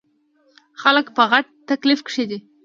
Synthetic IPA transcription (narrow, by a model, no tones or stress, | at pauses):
xaləkpəɣaʈ̚t̪aklɪfkʂed̪i